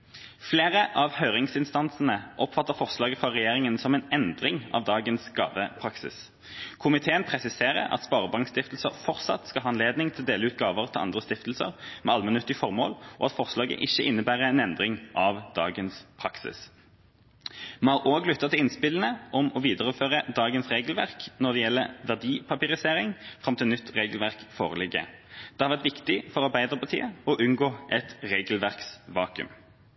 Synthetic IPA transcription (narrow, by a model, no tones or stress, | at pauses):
fleːʁəʔɑʋhœʏʁɪŋsɪnst̪ɑnsənəʔɔpfɑt̪ːəfɔʁslɑːɡəfʁɑʁɛjeːʁɪŋənsɔmɛnɛnd̪ʁɪŋɑ̰ʋd̪ɑːɡənsɡ̥ɑ̰ːʋəpʰʁɑksɪ̰s | kʰʊmɪt̪ʰeːənpʰʁɛsɪseːʁə̰ɾɑ̰t̪spɑːʁəbɑŋkst̪ɪft̪l̩səʁfɔʁt̪sɑ̰t̪skɑɑːɛnleːd̪nɪŋt̪ʰɪld̪eːləʉːt̪̚ɡɑːʋəʁt̪ʰɪlɑ̰nd̪ʁəst̪ɪft̪l̩sə̰ʁmɛ̰ɑlmɛnʉt̪ːɪəfɔʁmoːlɔ̰ːɑt̪fɔʁslɑːɡə̰ʔɪçːəʔɪnːəbæːʁəɛnɛnd̪ʁɪŋʔɑʋd̪̥ɑːɡənspʰɾɑksɪ̰s | mɑːʁoːɡlʏt̪ːɑt̪ʰɪlɪnspɪlən̩əʔɔmɔʋiːd̪əʁəføːʁəd̪ɑːɡənsʁeːɡlʋæʁknɔʁd̪ɛjɛlːəʁʋæʁd̪iːpʰɑpɪʁɪseːʁɪŋfʁɑmt̪ɪlnʏt̪ːʁeːɡlʋæʁkfo̰ːʁəlɪɡə̰d̪̥ɛhɑɾʋæʁt̪ʋɪkt̪ɪfɔʁɑʁbæɪd̪əʁpʰɑʁt̪ʰḭːəɔʔʉnɡoːʔɛt̪ʁeːɡlʋæʁksʋɑːkʉ̰m